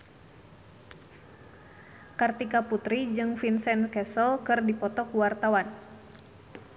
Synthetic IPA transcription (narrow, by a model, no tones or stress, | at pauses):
kart̪ikaput̪ɾid͡ʒɨŋfinsɛnkɛsɔlkɨrdipɔt̪ɔkuwart̪awan